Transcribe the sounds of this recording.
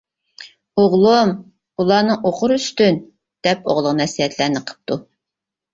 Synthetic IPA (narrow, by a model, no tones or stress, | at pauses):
oʁlˠum | ulˠɑːnɨŋoqʰʊɾyst̪yn | d̪̥ɛpo̰ʁlˠəqmɛsiɦɛt̪ʰlæɾnɪqʰə̥p̚t̪u